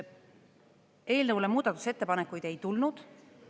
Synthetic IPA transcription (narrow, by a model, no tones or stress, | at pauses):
e̞ːlnɤwlemuːd̪̥ɑt̪ːˑu̥se̞t̪ːe̞pɑnekːˑujd̪e̞jt̪ulnud̪̥